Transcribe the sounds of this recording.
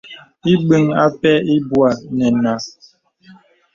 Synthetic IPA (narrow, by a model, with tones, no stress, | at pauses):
i˦ɓɨ˦ŋa˦pɛ˦i˦bwa˨nɛ˨na˨